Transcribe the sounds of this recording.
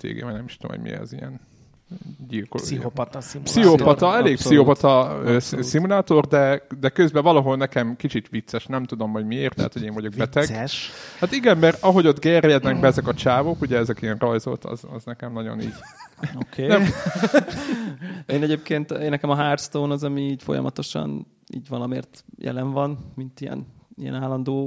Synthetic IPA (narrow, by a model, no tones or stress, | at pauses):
t̪ḛːɡḛvɒ̰jnɛmiʃt̪uo̰mho̰mʔḭɛ̰zḭjɛ̰n | ɟilkosiopt̪ipsiopɒt̪ɒɛleːkpsiopɒt̪ɒøːssimulaːt̪o̞rd̪ɛd̪ɛkøzbɛvɒlɒɦo̞lnɛkɛmkit͡ʃit̪ʋit̪sːɛʃnɛmt̪ud̪o̞mɦo̞ɟmieːrt̪lɛ̰ɦːt̪ho̞ɟeːɱvɒɟo̞ɡ̚ɛt̪ɛɡʃhaːt̪iɡɛmmɛɾɒɦo̞ɟo̞t̪ɡerjɛd̪nɛɡbɛɛzɛkɒt͡ʃaːvokuɟɛɛzɛkiɛnrɒjzo̰t̪ʰɒ̰zɒ̰znɛkɛmnɒɟo̰nḭːɟokʰeːnɛ | eːnɛɟeːp̚keːnt̪eːnːɛkɛmɒɦaːrst̪oːnɒzɒmiːɟfo̰jɒ̰mɒ̰t̪o̞ʃɒ̰n | ḭːɟvɒlɒmeːrt̪jɛ̰lɛɱvɒnmint̪ijɛ̰nijɛ̰naːlːɒnd̪oː